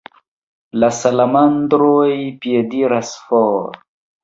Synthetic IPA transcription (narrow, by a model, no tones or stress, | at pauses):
lasalamand̪ɾojpijediɾasfɔːɾ